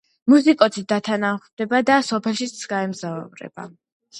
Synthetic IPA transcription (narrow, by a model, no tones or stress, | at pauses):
musikʼɔsid̪at̪ʰanamχd̪ɛbad̪asɔpʰɛlˠʃit̪sʰɡaɛmzavɾɛ̰b̥a̰